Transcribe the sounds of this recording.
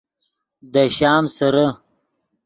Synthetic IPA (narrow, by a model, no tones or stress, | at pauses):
d̪əɕɑːmsaɾa